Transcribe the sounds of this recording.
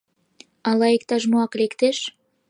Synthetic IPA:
ɑlɑek̚t̪ɑʒmuɑklekt̪eʃ

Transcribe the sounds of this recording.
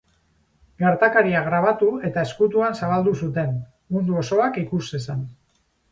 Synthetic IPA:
ɡeɾt̪akaɾiaɣɾaβat̪ue̞t̪ae̞skut̪uansaβ̞ald̪usut̪e̞n | mund̪uo̞so̞akikuse̞san

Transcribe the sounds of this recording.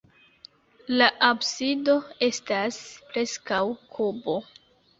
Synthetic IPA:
laʔabsido̞e̞staspɾe̞skawkʰubo̞

